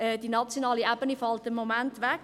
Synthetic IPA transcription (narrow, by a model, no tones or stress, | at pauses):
ɛːd̥inɑt͡sjonɑːliabənifɑltɪmːomæntʋɛk